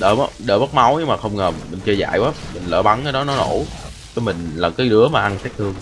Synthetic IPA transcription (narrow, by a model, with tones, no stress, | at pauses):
ɗə̰ː˧˩m˨˧˦ɗəː˧˩ɓə˦˥t̚ma˨˦wɲɨ˧maː˨˩xə˧wŋ͡mŋəː˨˩mï˨˩ŋ̟t͡ɕə˧za̰ː˧˨jwaː˨˦mï˨˩ŋ̟lə̰ː˧˩ɓa˨˦ŋkaː˨˦jɗɔ˨˦nɔ˨˦no˧˩˦ | t͡ɕə˨˦mï˨˩ŋ̟laː˨˩kaː˨˦jɗɨ˨˦˥əmaː˨˩ʔa˧nsɛː˦˥k̚t̪ʰɨ˧əŋ